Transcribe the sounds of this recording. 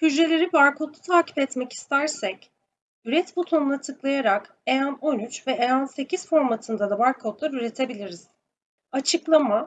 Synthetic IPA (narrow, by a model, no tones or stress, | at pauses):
hyd͡ʒɾe̞lʲe̞ɾibaɾkʰo̞t̪ˠu̥t̪ʰaːci̥pɛt̪mɛci̥st̪ʰæɾsɛc | yɾɛt̪bot̪ʰonunˠat̪ʰɯklˠajaɾak | e̞jano̞nyt͡ʃvɛejanse̞cʰizfo̞ɾmat̪ʰɯnd̪ad̪abaɾkʰo̞t̪lˠaɾyɾe̞t̪ʰe̞bilʲiɾiz̥ | at͡ʃʰɯklˠama